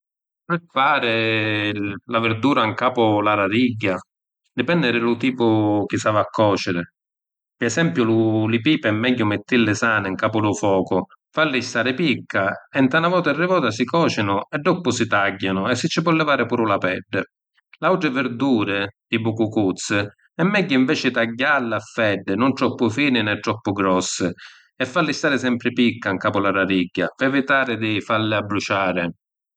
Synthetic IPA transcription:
pɪfaːɾɪ | lavɪɾd̪uːɾaŋkaːpʊlaɾaɾiɟːa | d̪ɪpɛnd̪ɪɾɪlʊt̪iːpʊk̟ɪsavaakʰːɔːt͡ʃɪɾɪ | pɪɛsɛmpjʊlʊlɪpiːpɛmːɛɟːʊmɪt̪ːilːɪsaːnɪŋkaːpʊlʊfɔːkʊ | falːɪst̪aːɾɪpikːaɛnt̪anavɔːt̪aɛrːɪvɔːt̪asikɔːt͡ʃɪnʊɛɖːɔpːʊsit̪aɟːanʊɛsːɪt͡ʃːɪpwɔlːɛvaːɾɪpuːɾʊlapɛɖːɪ | lawʈ̪ɾɪvɪɾd̪uːɾɪd̪ɪbukukut̪sːɪ | ɛmːɛɟːʊiɱvɛːt͡ʃɪt̪aɟːalːɪafːɛɖːɪnʊnt̪ɾɔpːʊfiːnɪnɛt̪ːɾɔpːʊɡɾɔsːɪ | ɛfːalːɪst̪aːɾɪsɛmpɾɪpikːaŋkaːpʊlaɾaɾiɟːapɛvɪt̪aːɾɪd̪ɪfalːɪabːɾut͡ʃaːɾɪ

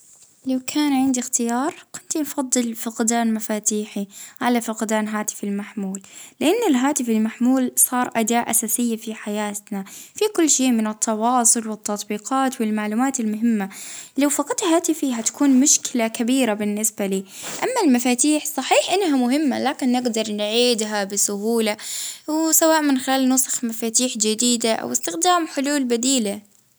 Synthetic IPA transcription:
lawkʰaːnʕɪnd̪ixt̪ɪjɑːɾˤkʊnt̪infɑd̪ˤːɨlfʊqd̪aːnmafaːt̪iːħiʕalafʊqd̪aːnɦaːt̪ɪ̥fɪlmaħmuːlːɪʔanːɪlɦaːt̪ɪfɪlmaħmuːlsˤɑːɾˤʔad̪aːʔasaːsɪjːafiħajaːt̪nafikʊlːʃeːmɪnɪt̪ʰːɑwɑːsˤʊlwɪt̪ːɑt̪ˤbiːqʰɑːt̪wɪlmaʕluːmaːt̪ɪlmʊɦɪmːalawfɑqɑt̪haːt̪ɪfiɦat̪ḁkuːnmʊʃkɪlakabiːɾabɪnːɪsbaliː | ʔamːalmafaːt̪iːħsˤɑħiːħʔɪnːɦamʊhɪmːa̰laːkɪnːɪɡd̪ɑɾˤnʕiːd̪ɦabɪsʊɦuːlawsawaːʔmɪnxɪlaːlnʊsˤɑ̥xmafaːt̪iːħd͡ʒɪd̪iːd̪aʔa̰wɪst̪ɪxd̪aːmħʊluːlbad̪iːla

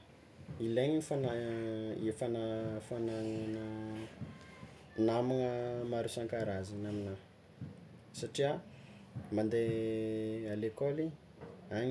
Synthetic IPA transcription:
ileɲiifana | efanəfanaŋanə | namanəmaɾusaŋkaɾazinamina | saʈ͡ʂia | mand̪e | alekoli | aɲ

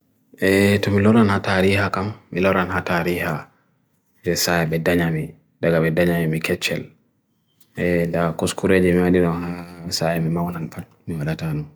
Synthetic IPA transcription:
ʔɛtɔmilɔɾanhataɾihakamːilɔɾanɦataɾiha | d͡ʒɛsajaɓɛdaɲami | daɡaɓɛdaɲamimikɛt͡ʃːɛl | ɛdakoskuɾeːd͡ʒɛmiwaɗiɗɔnhasajɛmimawnanfat̚miwaɗatanɔn

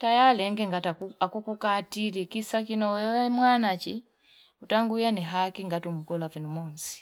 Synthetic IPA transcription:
tajalɛŋɡɛŋɡataakukukatilikisakinɔɛmwanat͡ʃi | utaŋɡujanɛɦakiŋɡatum̩kɔlavinumɔnsi̥

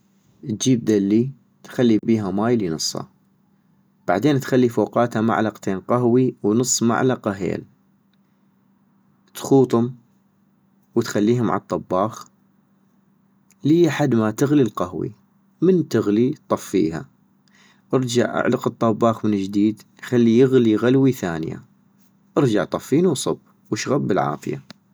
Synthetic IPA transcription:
ʔt̪̚d͡ʒiːb̚d̪alːi | t̪xalːibiːɦamaːjlinɨsˤːɑ̰ | b̥a̰ʕd̪eːnt̪xalːifoːqɑːt̪hama̰ʕlɑqt̪ʰeːnqaɦwiwnɨsˤːma̰ʕlɑqɑɦḛːl | t̪xuːt̪ˤʊm | wət̪xalːiːhʊma̰ʕɑt̪ˤːɑbːɑːx | liːʔaħad̪mat̪ɪɣlilqahwḭ | mənt̪ɪɣlit̪ˤɑfːḭːɦa̰ | ʔɪɾd͡ʒa̰ʕʔa̰ʕlɑqɨt̪ˤːɑbːɑːxmɪnd͡ʒd̪iːd̪ | xalːijɪɣliɣalwiθaːnja̰ | ʔɪɾd͡ʒaʕt̪ˤɑfːiːnuwsˤʊb | wəʃɣabːɪlʕa̰ːfɪja̰

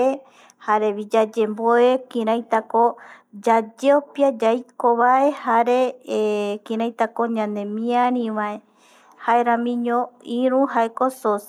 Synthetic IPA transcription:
e | haɾe̞βid͡ʒad͡ʒemboekĩɾãjt̪akod͡ʒad͡ʒeopjad͡ʒajkoβae̞haɾe | kĩɾãjt̪akoɲãnd̪ẽmĩãɾĩʋae | haeɾãmĩɲõĩɾũɦaekosos

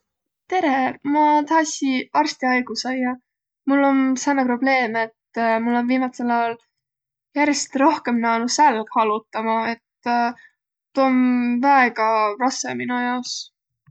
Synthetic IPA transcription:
t̪e̞ɾe̞mɑt̪ɑɦɑsʲiɑrst̪iɑjɡ̥usɑjːɑ | mulːo̞nsɑnːɑpro̞b̥le̞ːmet̪ːmulːo̞nviːmɑt̪selɑjɑl | jærjest̪ro̞hke̞mnæːnusælɡ̥hɑlut̪ːˑɑmɑe̞t̪ | t̪ːuonvæeɡ̥ɑrɑsḛminujɑos

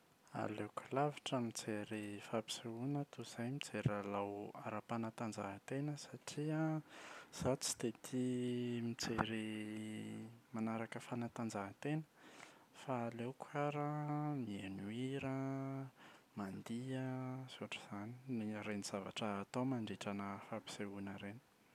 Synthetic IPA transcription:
a̰lekʰulavi̥ʈ͡ʂəmit͡seɾifapi̥seunət̪uz̥ajmit͡seɾalawa̰ɾapanat̪and͡ʒa̰ɦt̪enəsaʈ͡ʂiə | z̥at͡si̥t̪et̪ʰimit͡seɾi | manaɾakəfanat̪and͡zaɦt̪enə̥faːlewkʰaɾamienuiɾə | mand̪iəzoʈ͡ʂi̥z̥anineɲaɾeniz̥avaʈ͡ʂəːt̪owmaɳɖ͡ʐiʈ͡ʂanəfabi̥seunəɾeni̥

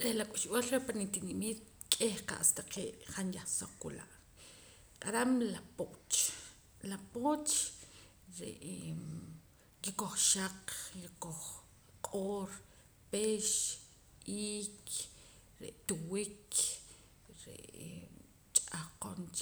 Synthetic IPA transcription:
ɾelakʼuʃɓalɾepanit̪inimiːt̪̚ | kʼehqa̰ʔa̰st̪aqeːʔχanjaχsoq͡χkula̰ʔ | qʼaɾamlapot͡ʃ | lapoːt͡ʃ | ɾḛʔ | kikoχʃaqkikoχ | qʼoːɾ | peʃ | iːk | ɾḛʔt̪uwik | ɾḛʔ | t͡ʃʼaqo̰nt͡ʃ

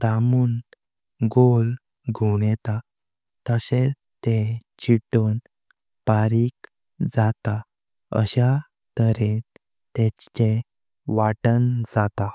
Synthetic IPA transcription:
t̪amuːn | ɡol | ɡʱoɽɛt̪a | t̪əsẽ | t̪et͡ɕiʈon | paɾiːk | d͡zat̪a | ə̰ɕa | t̪əɾen | t̪et͡ɕt͡ɕe | ʋaʈənd͡zat̪a

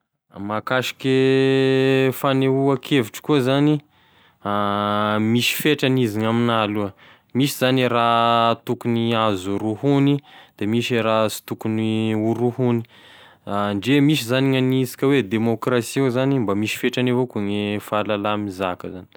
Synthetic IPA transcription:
makaʃi̥ke | faneuakʰeviʈ͡ʂə̥kuəzani | amiʃi̥feʈ͡ʂaniziŋaminaluə | miʃizaniɾat̪ukuniazuɾuhunid̪̥emiʃeɾasi̥t̪ukuniuɾuhuni̥ | ɳɖ͡ʐemiʃ̬izaniŋanisi̥kʲəwed̪emokrasiuzanimbamiʃi̥feʈ͡ʂanevokuŋefalalamizakəzani̥

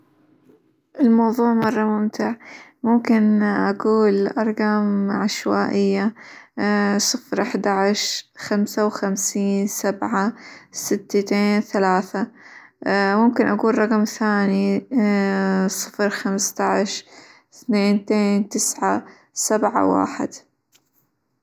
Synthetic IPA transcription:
ʔɪlmɑwðˤuːʕmɑrˤːɑmʊmt̪ɪʕmʊmkɪnʔaɡuːlʔɑɾˤɡɑmʕaʃwaːʔɪjːa | sˤɨfɾʔaħd̪aʕɪʃxamsawxamsiːnsabʕasɪt̪ːat̪eːnθalaːθa | mʊmkɪnʔaɡuːlˤɑqmθaːni | sˤɨfɾxamst̪aʕʃ | θneːnt̪eːnt̪ɪsʕa | sabʕa̰wa̰ːħɪ̰d̪

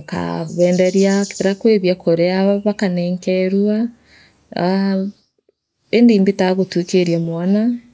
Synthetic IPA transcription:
ka̰βɛːndɛɾiakteɾakweβjakʰoɾeaβakanɛːŋkɛɾwa | endiːmbitaɣotukeɾjamwana

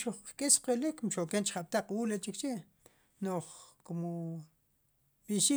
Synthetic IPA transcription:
ʃuχkkʼisqelikmʃokent͡ʃχaɓ̥̚t̪aq͡χwuːlet͡ʃikt͡ʃeʔ | noχkum | ɓ̥iʃi

